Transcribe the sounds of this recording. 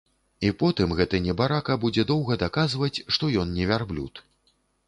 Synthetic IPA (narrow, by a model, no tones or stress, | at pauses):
ipɔt̪ɨmɣɛt̪ɨnʲɛbaɾakɐbud͡zʲɛd̪ɔwɣɐd̪akazvɐt͡sʲʂt̪ɔjɔnnʲɛvʲarblʲṵt̪